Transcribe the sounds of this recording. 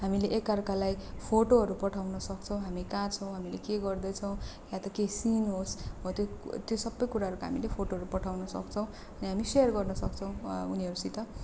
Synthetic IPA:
ɦamileʔekːarkalajpʰoʈoɦʌɾupʌʈʰawnʌsʌkt͡sʰʌw̃ɦamikãt͡sʰʌw̃ɦamilekeɡʌrd̪ʌt͡sʰʌw̃jãt̪ʌkesinɦosbʌt̪jot̪josʌbːʌjkuɾaɦʌɾukaɦa̰milepʰoʈoɦʌɾupʌʈʰawnʌsʌ̰kt͡sʰʌw̃ | ʌniɦamiseʌrɡʌrnʌsʌk̚t͡sʰʌw̃uniɦʌɾusit̪ʌ

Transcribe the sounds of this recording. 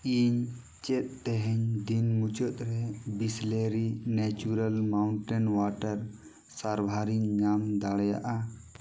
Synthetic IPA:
iɲ | t͡ʃɛt̪̚ˀːɛɦɛɲd̪inmut͡ʃɔt̪̚ɾɛbisleɾinɛt͡ʃuɾalmawɳʈɛnwaʈəɾ | saɾbʱaɾiɲːamd̪aɽja̰ʔa

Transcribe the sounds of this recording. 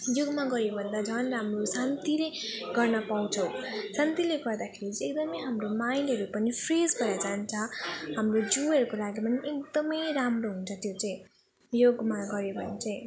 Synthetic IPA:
joɡmaɡʌɾjebʱʌnd̪ad͡zʱʌnramrosant̪ileɡʌrnʌpaw̃t͡sʰʌw̃sant̪ileɡʌrd̪akʰeɾit͡siek̚d̪ʌmʌjɦamromajnɦʌɾupʌnipʰred͡zɡʌɾad͡zant͡sʰʌɦamrod͡zuʌɾukolaɡipʌniek̚d̪ʌmʌjɾamroɦunt͡sʰʌt̪jot͡saĩ | joɡmaɡʌɾebʱʌnet͡saĩ

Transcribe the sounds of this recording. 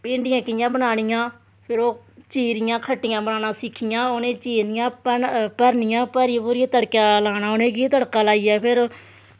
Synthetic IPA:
pɪ̃ːɳɖɪjãːkɪɪjãːbənaːɽ̃ɪjãː | pʰɪɾoːt͡ʃiːɾɪjãːkʰəʈːɪjãːbənaːnãːsɪkʰːɪjãːoːnẽːt͡ʃiːnɪjãːpəpəɾnɪjãːpəɾiːpuːɾijãːt̪əɽkjaːlaːñãːoːnẽːkiːt̪əɽkaːlaːiːɛːpʰɪɾ

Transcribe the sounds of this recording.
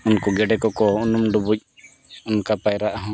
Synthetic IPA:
unkɔɡɛɖɛkɔkɔunumɖubuc̚ | unkapajɾaʔaɦɔ̃

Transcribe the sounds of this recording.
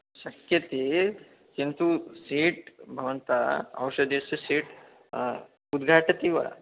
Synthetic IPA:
ɕɐkjɐt̪i | kint̪usiːʈbʱɐʋɐnt̪aɐ̰wɕɐd̪jɐsisiːʈ | ud̪ɡʱaʈɐt̪ĩʋa̰

